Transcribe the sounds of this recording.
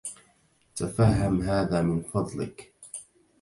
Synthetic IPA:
t̪afahɦːamɦaːðaːmɪnfɑd̪ˤlɪ̰k

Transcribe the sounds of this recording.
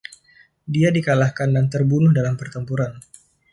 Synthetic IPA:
diadikalahkandant̪ərbunʊhdalampərt̪əmpuɾan

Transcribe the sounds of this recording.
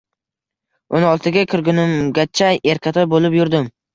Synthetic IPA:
ʊnɒlˠt̪ʰɪɡʲakʲʰɪɾɡʲʊnɪmɡʲat͡ʃʰajeɾkʲʰat̪ʰɒɾbolˠɪpjʊɾd̪ɪm

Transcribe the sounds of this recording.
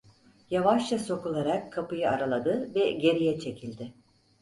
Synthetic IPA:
javaʃlaso̞kulˠaɾakʰːapɯjɯaɾalˠad̪ɯvɛɟe̞ɾijɛt͡ʃʰe̞cʰilʲd̪ɪ

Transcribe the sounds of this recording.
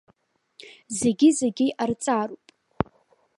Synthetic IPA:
ze̞ɡʲizeɡʲiʔart͡sʼarupʼ

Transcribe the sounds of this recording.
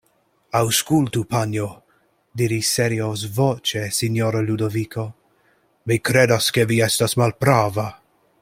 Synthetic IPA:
awskult̪upanjo | d̪iɾiseɾiosvot͡ʃesinjoɾalud̪ovikʰo | mikɾedaskeviɛstasmalpɾava

